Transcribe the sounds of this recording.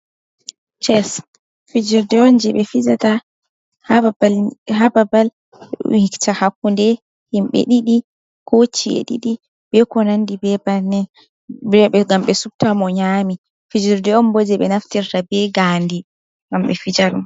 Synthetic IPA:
t͡ʃɛs | fid͡ʒiɾdɛɔnd͡ʒɛɓɛfid͡ʒata | halhababal | ɗṵhiktahakːundɛ | himɓɛ̰ɗiɗi | kʰot͡ʃːiḛɗḭɗi | bɛkɔnandibɛbanɛ | ɛɓɛɡamɓɛsub̚tamɔɲaːmi | fid͡ʒiɾdɛɔmbod͡ʒɛɓɛ̰naftiɾtabɛɡaːndi | ɡamɓɛfid͡ʒaɾum

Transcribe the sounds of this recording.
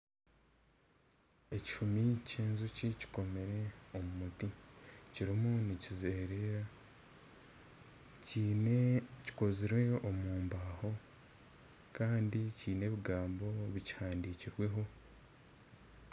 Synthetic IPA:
e̞ci̥fumiceːnzucici̥ko̞me̞ɾe̞omumuticiɾimunicizeːɾeɾa | cː | ci̥koziɾwe̞omuːmbaːho̞ | kaːndiciːne̞βiɡaːmbo̞βici̥haːndiciɾwe̞ɦo̞

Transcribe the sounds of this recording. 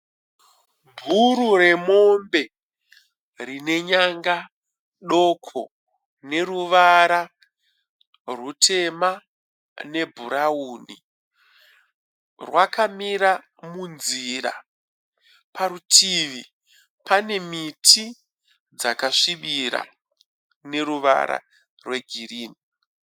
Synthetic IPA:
bʱuɾure̞mo̞mbe̞ | rine̞ɲaŋɡa | ɗo̞kʰo̞̰ | ne̞ruʋaɾa | rutʰe̞ma | ne̞bʱuɾauːnḭ | rwakʰamiɾa | munziɾa̰ | paɾutʰiʋi | pane̞mitʰi | d͡zakaʂiʋiɾa̰ | ne̞ɾuʋa̰ɾa̰ | rwe̞ɡʱiriːni

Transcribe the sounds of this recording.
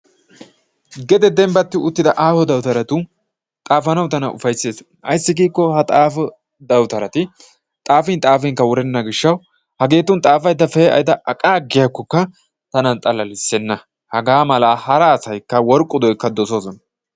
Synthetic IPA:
ɡɛd̪ɛd̪ɛmbɐt̪ːɪʊt̪ːɪd̪ɐʔaːfɔd̪ɐwt̪ɐɾɐt̪ʊ | t̪ʼaːfɐnɐwt̪ɐnɐʔʊ̰fɐjsːeːs | ʔɐjsːɪɡiːkːɔhɐt̪ʼaːfɔ | d̪ɐwt̪ɐɾɐt̪ɪ | t̪ʼaːfɪnt̪ʼaːfɪŋkːɐwɔɾɛnːɐɡɪʃːɐw | hɐɡe̞ːt̪ːʊnt̪ʼaːfɐjd̪ɐfɛːʔɐ̰jd̪ɐɐkʼaːɡɪjakːɔkːɐ | t̪ɐnɐnt̪ʼɐlɐlɪsːɛnːɐ | hɐɡaːmɐlaːhɐɾɐːsɐjkːɐwɔɾkʼːʊd̪ɔjkːɐd̪ɔsoːsɔnɐ

